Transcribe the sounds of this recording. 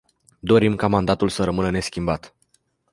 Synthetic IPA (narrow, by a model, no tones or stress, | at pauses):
d̪o̞ɾimkamand̪at̪ulsəɾəmɨnəne̞skʲimbat̪